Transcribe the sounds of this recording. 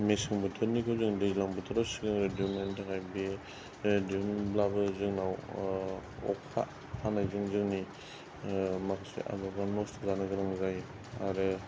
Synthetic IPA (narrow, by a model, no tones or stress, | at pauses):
mesɯŋbɯtʰɯɾnikʰɯwzɯŋdezlaŋbɯtʰɯɾasiŋɯŋɾɯdumentakʰajbe | dimnblabɯzɯŋnaw | ɔ̰kʰa̰ | hanajzɯŋzɯŋni | makʰasḛʔa̰baɡanɔstʰɯzanɯɡɯɾɯŋzaj | aɾɯ